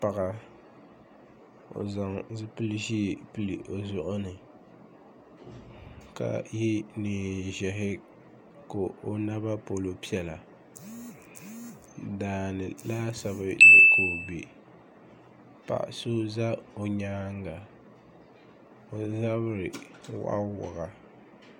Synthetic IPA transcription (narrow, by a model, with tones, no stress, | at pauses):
pa˨ɣa˨ | o̰˨za˨ŋzɨ˦pɨ˦lɨ˦ʃi˦˨pɨ˦li˨ʔo˨zʊ˦ʔʊ˦nɨ˨ | ka̰˦˨ji˦niː˨ʒɛ˨ɦɪ˦ | ko˨o˨na˦ba˦po˨lo˨pi˦ɛ˨la˨ | daː˨nɨ˨la˦sa˨bɨ˦le˨ko˨be˨ | pa̰˨ʔso˦za˦o˨ɲaː˦ŋ˦ɡa˨ | o˨za˦βɾɪ˨wa̰˦wʊ˨ɣa˨